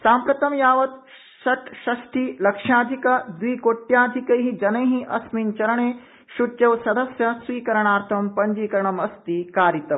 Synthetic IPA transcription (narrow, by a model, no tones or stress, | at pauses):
saːmpɾɐt̪ɐmjaːʋɐt̪̚ | ʃɐʈʃɐʃʈʰiːlɐkʂjaːd̪ʱikɐd̪wʋiːkoːʈːjaːd̪ʱikɐjɦid͡ʒɐnɐjɦĩʔɐsmint͡ʃɐɾɐɳeː | ʃut͡ʃɐʋsɐd̪ɐsjɐsʋiːkɐɾɐɳ̃aːɾt̪ʰɐmpɐɲd͡ʒiːkɐɾɐɳɐmɐst̪ikaːɾit̪ɐm